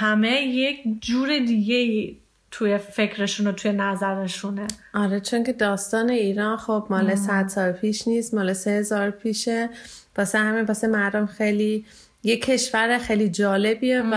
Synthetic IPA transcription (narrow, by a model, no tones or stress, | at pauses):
hæmejecʰd͡ʒuːɾed̪iɡeiː | t̪ʰujefecʰɾeʃunot̪ʰujenæzæɾeʃuneʔɒɾet͡ʃʰoŋcʰe̞d̪ɒːst̪ɒːne̞iːɾɒːnxobmɒːlesæd̪sɒːɾpʰiːʃniːst̪mɒːlesehezɒːɾpʰiːʃeb̥ɒːsehæmebɒsemæɾd̪omxejliː | jecʰːe̞ʃvæɾexejlid͡ʒɒːle̞biev